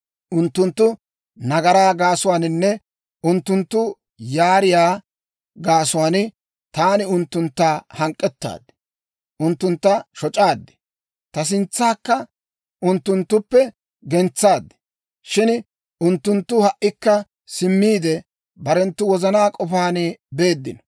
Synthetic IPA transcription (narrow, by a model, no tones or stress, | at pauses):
ʊnt̪ːʊnt̪ːʊ | nɐɡɐɾaːɡaːsʊwaːnɪnːɛ | ʊnt̪ːʊnt̪ːʊ | jaːɾɪjaː | ɡaːsʊwaːnɪ | t̪aːnɪʊnt̪ːʊnt̪ːaːhɐŋkʼːɛt̪ːa̰ːd̪ɪ̥ | ʔʊnt̪ːʊnt̪ːɐʃɔt͡ʃʼaːd̪ːɪ̥ | t̪ɐs̬ɪnt͡sːaːkːɐ | ʔʊnt̪ːʊnt̪ːʊpːɛ | ɡɛnt͡sːaːd̪ːɪ̥ | ʃɪn | ʔʊnt̪ːʊnt̪ːʊhɐʔːɪkːɐ | sɪmːiːd̪ɛ | bɐɾɛnt̪ːʊwɔzɐnaːkʼɔfaːnɪbe̞ːd̪ːɪ̰nɔ